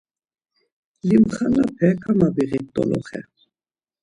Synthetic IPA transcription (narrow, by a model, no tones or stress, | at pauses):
limχanapʰɛkʰamabiʁit̪ʼɔ̰lʔɔ̰χɛ̰